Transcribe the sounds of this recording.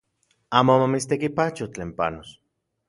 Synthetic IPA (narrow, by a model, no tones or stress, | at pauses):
amomamis̬t̪ekipat͡ʃot̪lempa̰nos